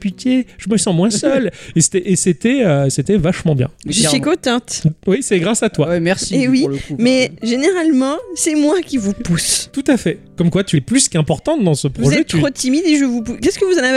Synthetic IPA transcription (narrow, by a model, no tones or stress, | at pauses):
pyt̪ʰeʒ̥əməsɑ̃mwɛ̃sœlese̥t̪ɛʔeset̪ɛøset̪ɛvaʃmɑ̃bjɛ̰̃ʒəsikɔ̃t̪ɑ̃t̪wisɛɡʁasat̪wawɛmɛʁsiewilkumɛʒeneʁalmɑ̃sɛmwakʲivupust̪ut̪afɛkɔmkwat̪yɛplyskɛ̃pɔʁt̪ɑ̃t̪d̪ɑ̃səpχvuɔzɛʒɛt̪χot̪imid̪eʒəvupukʲɛskəvuzãna